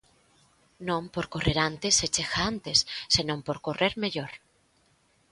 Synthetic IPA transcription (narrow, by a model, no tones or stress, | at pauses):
nõmpoɾkoreɾant̪eset͡ʃexaant̪esːenõmpoɾkoreɾmeʎoɾ